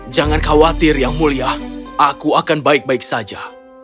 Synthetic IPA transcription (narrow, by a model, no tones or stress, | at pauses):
d͡ʒaŋankawat̪ɪrjaŋmuliahʔakuakanbaɪk̚baɪk̚sad͡ʒa